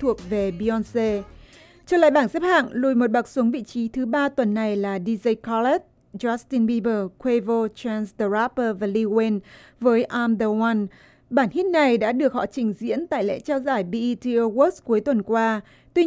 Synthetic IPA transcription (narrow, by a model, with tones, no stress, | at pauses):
t̪ʰu˨˩ək̚ve˨˩ɓi˧ɔ˧nse˧ | t͡ɕɔː˧˩la̰ː˧˨jɓaː˧˩nsɛ˦˥p̚ha̰ː˧˨ŋlu˨˩jmo˨˩t̚ɓa˨˩k̚su˨˦əŋvḭ˧˨t͡ɕi˨˦t̪ʰɨ˨˦ɓaː˧t̪wə˨˩nːa˨˩jlaː˨˩ɗi˧zə˧jkʰɔ˧lɛ˦˥t̚ | zɔ˦˥st̪i˧nɓi˧ɓəː˧˩kʰwe˧vo˧t͡ɕa˧nsɗə˧za˦˥pəː˧vaː˨˩li˧we˧nvəː˨˦jʔa˧mɗəː˧wa˧n | ɓaː˧˩nhi˦˥t̚na˨˩jɗa̰ː˧˥ɗɨ˨˩ək̚hɔ̰˧˨t͡ɕï˨˩ŋ̟zḭ˧˥ənt̪a̰ː˧˨jlḛ˧˥t͡ɕaː˧wzaː˧˩jɓi˧ʔt̪i˧ə˧ɣo˦˥sku˨˦əjt̪wə˨˩nkwaː˧ | t̪wi˧